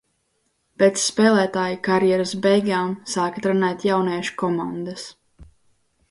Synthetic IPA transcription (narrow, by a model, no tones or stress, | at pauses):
pet̪sːpɛːlˠæːt̪aːjikaɾjɛɾasbɛjɡaːmsaːkḁt̪ɾanɛːt̪ʲjawnɛːʃu̥kɔmand̪as